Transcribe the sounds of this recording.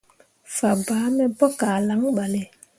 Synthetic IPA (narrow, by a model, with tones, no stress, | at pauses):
fa˨baː˨˦mɛ˦bɔ˦kaː˨la˨˦ŋɓa˨le˨